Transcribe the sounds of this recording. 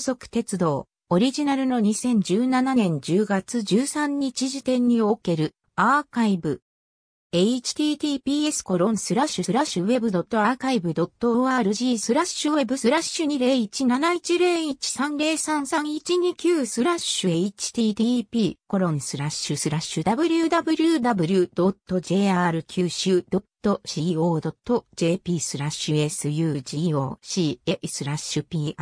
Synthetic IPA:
so̞kɯ̟̥t̪e̞t͡sɨd̪o̞̰ː | oɾʲiʑinaɾɯ̟no̞ɲ̟isẽ̞ɲ̟d͡ʑɨːnananẽ̞ɲ̟d͡ʑɨːɡat͡sɨʑɨːsãɲ̟ːit͡ɕiʑit̪ẽ̞ɲ̟ːio̞ke̞ɾɯ̟ | aːkaibɯ̟ | eit͡ɕi̥t̪ʲiːt̪ʲiːpʲiːe̞sɨ̥ko̞ɾõ̞ɰ̃sɨɾaɕɯsɨɾaɕɯwe̞bɯ̟d̪o̞t̪ːo̞akaibɯ̟d̪o̞t̪ːoaːɾɯ̟ʑiːsɨɾaɕɯwe̞bɯ̟sɨɾaɕɨɲ̟iɾe̞ːit͡ɕinanait͡ɕiɾe̞ːit͡ɕi̥sãnɾe̞ːsãɰ̃sãŋ̃it͡ɕiɲ̟ikʲɨːsɨɾaɕɯeit͡ɕi̥t̪iːt̪ipʲiːko̞ɾõ̞ñsɨɾaɕɯsɨɾaɕɯd̪abɯ̟ɾʲɯd̪abɯ̟ɾʲɯ̟d̪abɯ̟ɾʲɯ̟d̪̥o̞t̪ːo̞d͡ʑe̞ːaɾɯ̟kʲʰɨːɕɯd̪̥o̞t̪ːo̞ɕiːo̞ːd̪o̞t̪ːo̞d͡ʑe̞ːpʲiːsɨɾaɕɯe̞sɨjɯ̟ːʑiːo̞ːɕiːesɨɾaɕɯpʲiː

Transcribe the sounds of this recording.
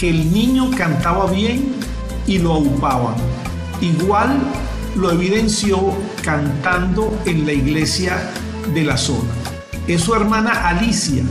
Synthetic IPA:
keːlnĩɲo̞kant̪aβaβje̞ŋ | iloawpaβa̰ŋ | iɣwalː | oe̞βiðe̞nsjo | kant̪and̪o̞enlaiɣle̞sja | ðe̞laso̞̰na | esue̞ɾmãnaʔalisja̰

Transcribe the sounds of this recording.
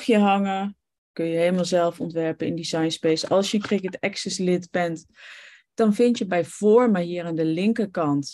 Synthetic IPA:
χjəɦɑŋə | kɵnjəɦejləmalˠzɛlˠfɔntʋɛɹpəɪ̰ndizɑjnspejsɑlˠsjəənkrɪkətɛksɛslɪtbɛnt | d̥ɑnvɪntjəbɛjv̥ɔːɹməʋɪːɾaːndəlɪŋkəɹkɑnt

